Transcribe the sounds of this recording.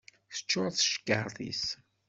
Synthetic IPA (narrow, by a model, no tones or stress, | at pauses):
θə̥t͡ʃːʊɾˤθʃkːəɾˤθḭs